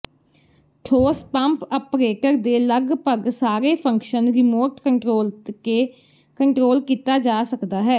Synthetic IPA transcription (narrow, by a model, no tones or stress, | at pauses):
ʈʰoːspəmpəpɾeːʈəɾd̪eːləɡpəɡsaːɾeːpʰəŋkʃənɾɪmoːɾʈkəɳʈɾoːlkeː | kəɳʈɾoːlkiːt̪aːd͡ʒaːsəkd̪aːɦɛː